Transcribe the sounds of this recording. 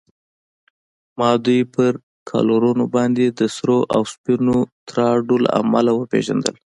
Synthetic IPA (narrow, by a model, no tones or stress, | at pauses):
mɑd̪ujpəɾ | kʰɑ̰loɾunobɑnd̪ed̪əsɾoʔawspinot̪ɾɑɖola̰ʔamalawəpḛʒa̰nd̪ə̰l